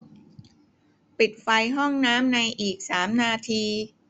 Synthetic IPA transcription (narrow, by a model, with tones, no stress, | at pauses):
pi˨˩t̪̚fa˧jɦɔ˥˩ŋnaː˦˥mna˧jʔiː˨˩k̚saː˩˦mnaː˧t̪ʰiː˧